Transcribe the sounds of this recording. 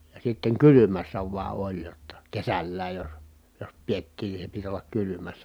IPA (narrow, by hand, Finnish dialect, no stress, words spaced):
jɑ sitːeŋ kylymæsːæ ʋuɑ olʲ jotːɑ kesælːæːj jos jos pietːiːn ni se pit olːɑk kylymæsːæ